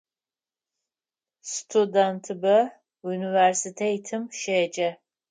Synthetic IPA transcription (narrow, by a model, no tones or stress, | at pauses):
stʰudantʰɨbɐ | univɛrsitʰeitʰɨmʃeːd͡ʒʼɐ